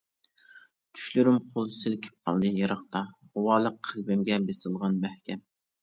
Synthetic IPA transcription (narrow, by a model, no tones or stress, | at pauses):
t̪ʰy̥ʃlyɾymqʰolˠsɪlkʲʰe̥p̚qʰɑ̰lˠd̪ɨjɑɾɑχt̪ɑʁʊwɑːlˠəqʰːəlbɪmɡʲɛbesɨlˠʁɑnmæhkʲʰɛm